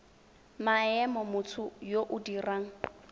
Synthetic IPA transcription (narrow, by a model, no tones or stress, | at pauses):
maɛmɔmʊt͡sʰʊjoʔʊdiraːŋ̩